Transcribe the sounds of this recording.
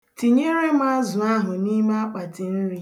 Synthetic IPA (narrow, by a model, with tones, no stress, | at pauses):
ti˨ɲe˦ɾe˦m̩˦a˦zʊ˨a˦ɦʊ˨ni˦m˦a˦k͡pa˨tɪ˨n̩˦ɾi˦